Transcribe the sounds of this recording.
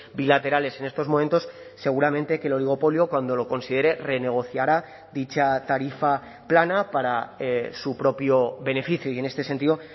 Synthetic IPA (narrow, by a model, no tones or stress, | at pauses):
bilat̪e̞ɾale̞se̞ne̞st̪o̞zmoment̪o̞sː | e̞ɣ̞uɾamẽnt̪e̞ke̞lo̞liɣ̞o̞po̞ljokwand̪o̞lo̞ko̞nsið̞e̞ɾe̞re̞ne̞ɣ̞o̞θjaɾa | ðit͡ʃat̪aɾifa | planapaɾasupɾo̞pjo̞βe̞ne̞fiθjoie̞nest̪e̞se̞nt̪iðo̞